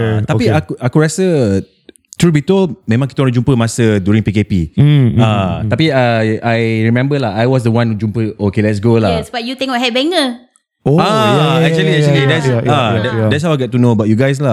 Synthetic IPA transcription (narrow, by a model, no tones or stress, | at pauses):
t̪apiakuʔakuɹasə | t̪ɹubit̪omẽmãŋkit̪əɔnd͡ʒumpəmasədjuɾĩŋpikepḭat̪apiaajɹimɛ̃mbəlahajwɔs̬dəwãnud͡ʒumpəokelɛts̬ɡolaswajut̪ɪ̃ŋɔɦɛt̚bɛŋə | oaɛk̚t͡ʃuəliɛk̚t͡ʃəlidɛtsadɛdɛtshawajɡɛt̚ːunobat̚juɡajs̬la